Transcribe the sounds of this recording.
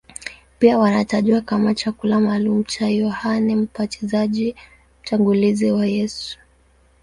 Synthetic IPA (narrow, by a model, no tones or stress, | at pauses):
piawanataʄuakamat͡ʃakulamaːlum̩t͡ʃajɔhanɛm̩patizaʄi | m̩taŋɡuliziwajɛsu̥